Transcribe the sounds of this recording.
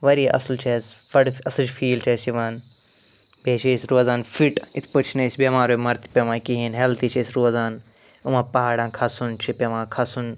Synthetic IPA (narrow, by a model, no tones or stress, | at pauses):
ʋɐɾiːʔɐ̰slt͡ʃʰes | ʋɐɽɐst͡ʃfiːlt͡ʃʰesiʋaːn | beːʃesɾoːzaːnfiʈit̪ʰpɐt͡ʃʰnesbemaːɾoːmɐɾt̪ʰi̥pʲeʋãːkiɦinɦelt̪iːt͡ʃʰesɾoːzaːn | umãːpɐɦaːɽãːnkʰɐsunt͡ʃʰipʲɐʋãːkʰɐsun